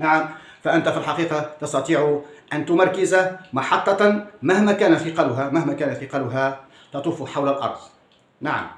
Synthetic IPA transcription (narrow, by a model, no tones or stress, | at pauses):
naʕam | faʔənt̪afilħɑqiːqɑt̪ɑst̪ɑt̪ˤiːʕʊʔænt̪ʊmɑɾˤkɪzamɑħɑt̪ˤːɑmæhmæːkæːnæt̪ɪqɑlʊɦamæhmæːkæːnafɪqɑːlʊɦa | t̪ɑt̪ˤuːfʊħawlalʔɑ̰ɾˤd̪ˤ | naʕa̰m